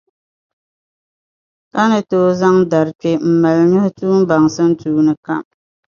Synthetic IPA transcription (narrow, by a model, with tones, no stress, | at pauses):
ka˦nɨ˨toː˨˦za˦ŋda˨ɾt͡ʃe˦m̩˨ma˨lɲɔ˦hʊ˦tuː˦m˦ba˨ŋsɨ˦n̩˦tuː˦nɨ˨ka̰˦m